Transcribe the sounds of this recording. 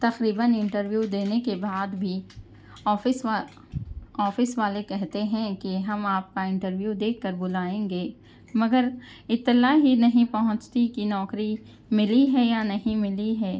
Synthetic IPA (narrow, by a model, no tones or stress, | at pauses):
t̪ɐqɾiːbənɪ̃ɳʈəɾʋjud̪eːnekebaːd̪bʱi | ɔːfɪs | ɔːfɪsʋaːlekɛɦt̪eɦɛ̃keɦɐmaːp̚kaɪ̃ɳʈəɾʋjud̪eːkːəɾbʊlaːẽːŋɡeː | mɐɡəɾ | ɪt̪ːɪlaɦinɐɦĩpɐɦʊ̃t͡ʃt̪ikinɔːkɾi | mɪliɦɛjanɐɦĩmɪliɦɛː